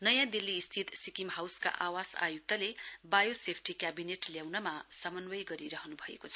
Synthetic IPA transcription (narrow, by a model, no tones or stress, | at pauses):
nʌjãd̪ilːiːst̪ʰit̪sikimɦawska̰ʔawasa̰juk̚t̪ʌlebajosepʰʈikjabineʈljawnʌmasʌmʌnwʌjɡʌɾiɾʌɦʌnubʱʌḛkot͡sʰʌ